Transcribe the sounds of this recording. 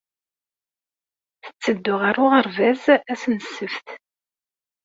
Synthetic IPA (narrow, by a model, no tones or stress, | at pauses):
θə̥t͡sːəd̪ːʊʁaɾʊʁəɾvæzæsnəsːəfθ